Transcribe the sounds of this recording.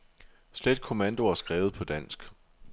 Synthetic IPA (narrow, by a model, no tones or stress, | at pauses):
sled̥̚kʰo̝mænd̥o̝ɐsɡ̥ʁɛːʊð̩ˠpʰɒ̽d̥æn̰sɡ̥